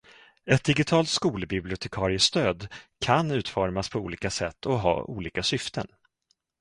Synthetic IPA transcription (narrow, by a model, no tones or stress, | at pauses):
ɛt̪̚d̪ɪɡɪt̪ʰɑːlt̪skuːləbɪblɪʊt̪ʰɛkʰɑːɾɪəst̪øːd̪kʰanʉ̟ːt̪fɔɾmaspʰɔuːliːkasɛt̪ʰːɔɦɑ̰ːʔṵːliːkasʏft̪ʰən